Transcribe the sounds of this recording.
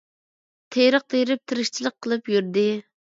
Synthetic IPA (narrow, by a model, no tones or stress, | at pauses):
t̪ʰejɾəq̚t̪ʰeɾɪp̚t̪ʰɨɾɪʃt͡ʃʰilˠəqʰːəlˠɨpjyɾd̪ɪ